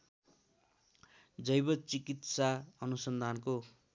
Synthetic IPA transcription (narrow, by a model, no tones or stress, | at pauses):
d͡zʌjbʌt͡sikit̪saʌnusʌnd̪ʱanko